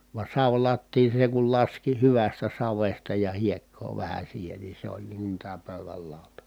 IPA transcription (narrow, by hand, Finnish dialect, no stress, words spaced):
ʋɑ sɑʋlɑtːiːn̞ seŋ kul lɑski hyʋæstæ sɑʋestɑ jɑ hiekːoː ʋæhæ siːhen ni se olʲ niːŋ kun tæː pøˑyʋæl lɑˑotɑ